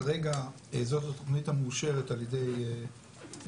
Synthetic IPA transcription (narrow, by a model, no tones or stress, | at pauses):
aʁe̞ɡa | ezo̞tato̞χnithamuːʃe̞ʁetaljedej